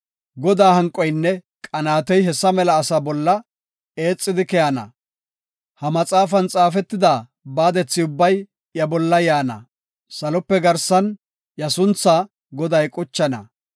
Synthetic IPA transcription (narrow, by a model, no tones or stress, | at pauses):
ɡɔd̪aːhɐŋkʼːɔjnːɛ | kʼɐnaːt̪ɔjɦɛsːɐmɛlɐːsabɔlːɐ | e̞ːt͡sʼːɪd̪ɪkɛjɐnɐ̰ | hɐmɐt͡sʼaːfɐnt͡sʼaːfɛt̪ːɪd̪a | baːd̪ɛt͡sːɪʊbːɐj | jɐbɔlːɐjaːnɐ̰ | sɐlɔpːɛɡɐɾsɐn | jɐsʊnt͡sːa | ɡɔd̪ɐjkʼʊt͡ʃːɐnɐ̰